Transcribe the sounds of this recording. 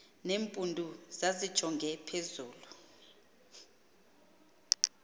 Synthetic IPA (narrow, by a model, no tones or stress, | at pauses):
neːmpʼundʱuz̥azid̥ʒ̥ʱɔŋɡʱɛpʰezuːlu